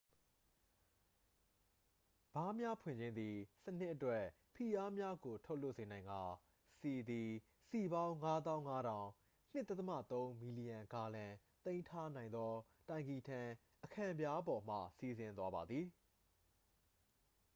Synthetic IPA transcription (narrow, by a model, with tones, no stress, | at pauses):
b̥a˦mja˦pʰwɪ̰̃˨ɲd͡ʑɪ̃˦nd̪i˨sən̥ɪ˦ʔətwɛ˦ | pʰi˨ʔa˦mja˦ɡo˨tʰo˦lo˦˨ʔsẽ˨nã˨ɪ̃ŋɡa˨ | si˨d̪i˨ | si˨bã˦ʊ̃ŋa˦t̪̬ã˦ʊ̃ŋa˦ɾã˨ʊ̃ | n̥ɪ˦ʔt̪ɛ˦t̪əmä̰˦˨t̪õ˦ʊ̃mi˨li˨jã˨ŋka˨lã˨ | t̪ẽ˦ɪ̃ntʰa˦nã˨ɪ̃nd̪ɔ˦ | tã˨ɪ̃ŋɡi˨tʰã˨ | ʔəkʰã˨bja˦bɔ˨m̥ä̰˦˨si˨zɪ̃˨nt̪wa˦ba˨d̪ði˨